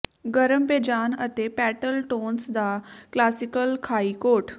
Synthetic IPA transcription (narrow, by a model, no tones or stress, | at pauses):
ɡəɾəmped͡ʒaːnət̪epɛːʈəlʈoːnsd̪aklaːsɪkəlkʰaːikoːʈ